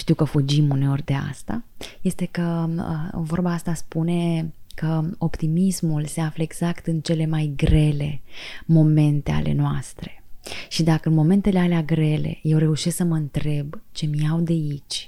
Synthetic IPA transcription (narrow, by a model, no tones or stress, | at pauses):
ʃt̪iwkəfud͡ʒimune̞o̞rʲd̪e̞a̰st̪a̰je̞st̪e̞kəə̰vo̞rbaast̪aspune̞kəo̞pt̪imismulse̞afləeɡz̥akt̪ɨnt͡ʃe̞le̞majɡɾe̞le̞mo̞me̞nt̪e̞a̰lʔe̞̰noast̪ɾe̞̥ʃid̪akəɨnmo̞me̞nt̪e̞le̞aleaɡɾe̞le̞̰je̞wɾe̞uʃesksəməɨnt̪ɾe̞bt͡ʃe̞mijawd̪eit͡ʃʲ